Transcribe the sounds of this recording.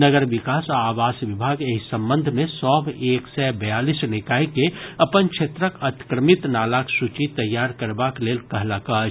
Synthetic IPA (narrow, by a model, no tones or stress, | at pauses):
nəɡəɾʋɪkaːsaaːʋaːsʋɪbʱaːɡeɦisə̃mbə̃nd̪ʱmẽsɔːbeːksɛbɐjaːlisnɪkaːikeɐpənkʃʰet̪ɾəkɐt̪kɾəmɪt̪naːlaksut͡ʃit̪ɐjːaːɾkəɾbakleːlkɐɦlaka